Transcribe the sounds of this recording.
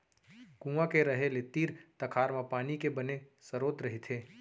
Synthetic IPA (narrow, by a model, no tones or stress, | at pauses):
kũːãkeɾɐɦelet̪iːɾt̪ɐkʰaːɾmãpaːnikebɐnesɐɾoːt̪ɾɐɦit̪ʰeː